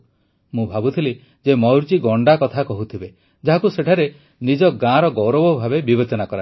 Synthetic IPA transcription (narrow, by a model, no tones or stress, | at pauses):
mũbʱabut̪ʰili | d͡ʒemɔwɾt͡ʃiɡɔɳɖakɔt̪ʰakɔɦut̪ʰibe | d͡ʒaɦakuseʈʰaɾe | nid͡ʒɔɡãɾɔɡɔwɾɔbɔbʱabebibet͡ʃɔnakɔɾa